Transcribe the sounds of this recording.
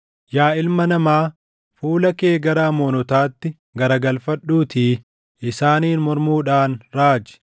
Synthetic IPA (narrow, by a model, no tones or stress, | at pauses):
jaːɪlmɐnɐmaː | fuːlɐke̞ːɡɐɾaːmoːnɔt̪aːt̪ːɪ | ɡɐɾɐɡɐlfɐᶑːuːt̪ʰiː | ʔɪsaːniːnmɔɾmuːᶑaːnɾaːd͡ʒɛ̥